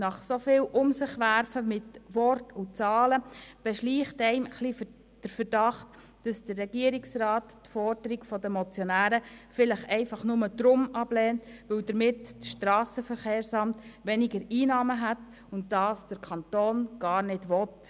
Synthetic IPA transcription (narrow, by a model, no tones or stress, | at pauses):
nɑχsofɪːwʔʊmsɪχʋæɾfəmɪtʋɔrtʊt͡sɑːləb̥ɛʃliːχtɛɪməχlif | d̥əɾfəɾd̥ɑχt | d̥ɑsd̥ərːɛɡiəɾɪksrɑːttfɔɾd̥əɾiɡfɔdəmɔt͡sjɔnæːɾəfɪləχɛɪfɑχnʊməd̥̪ɾʊmɑb̥lɛːntʋɪwdəɾmɪttʃtɾɑːsəfəɾχeːrsɑmtʋɛnɪɡəɾiːnɑːməɦæt | ʊntdɑːsd̥əɾkʰɑntoːnɡ̥ɑːɾnɪdʋɔt